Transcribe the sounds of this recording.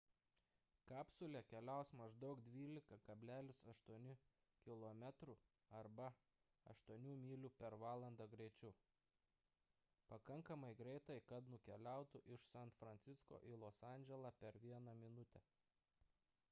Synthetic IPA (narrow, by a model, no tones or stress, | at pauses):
kɑːpsʊlʲɛkʲɛlʲæʊsmɐʒd̪ɒʊkd̪ʲʋʲiːlʲɪkɐkɐbʲlʲæːlʲʊsɐʃt̪uɔnʲɪ | kʲɪlˠoːmʲæt̪ɾu | ɐɾbɐ | ɐ̰ʃt̪uɔnʲuːmʲiːlʲupʲɛɾʋɑːlˠɐnd̪ɑɡɾʲɛɪt͡ʃʲu | pɐkɐŋkɐmɐɪɡɾʲɛɪt̪ɐɪkɐt̪nʊkʲɛlʲæˑʊt̪ʊʔɪʃsɛnt̪fɾɐnʲtsʲɪsko̰ːʔilˠoːsɑˑnʲd͡ʒʲɛlˠɑːpʲɛɾʋʲiɛnɑmʲɪnʊt̪ʲɛ